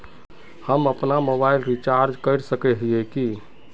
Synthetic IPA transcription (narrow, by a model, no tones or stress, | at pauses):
həməpnamobailɾit͡ʃaɾd͡ʒkəɪɾsəkɛɦiɛki